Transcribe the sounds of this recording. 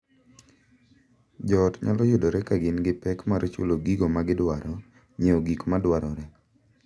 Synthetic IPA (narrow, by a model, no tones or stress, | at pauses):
d͡ʒɔtɲa̰lɔjʊdoɾɛkaɡɪnɡɪpɛkmaɾt͡ʃʊ̰loɡiɡomaɡɪdwaɾɔ | ɲeoɡikmadwaɾɔɾɛ